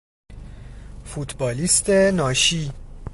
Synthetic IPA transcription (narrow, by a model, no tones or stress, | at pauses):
fut̪ʰbɒːliːst̪ʰenɒːʃiː